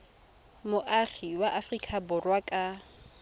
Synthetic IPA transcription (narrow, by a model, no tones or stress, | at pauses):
mʊʔaχiwaʔafrikʼabʊrwakʼa